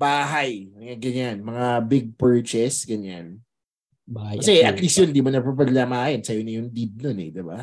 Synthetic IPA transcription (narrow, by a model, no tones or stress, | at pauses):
baːɦɐjɐŋaɡɐɲanmɐŋabɪɡ̚pɛɹt͡ʃɛsɡɐɲan | kɐsɛɐt̪lisjʊnɪnd̪iːmonɐpɐpɐd̪laːmajonsɐjonɐjʊŋd̪ib̚nonɛ̰d̪ɪba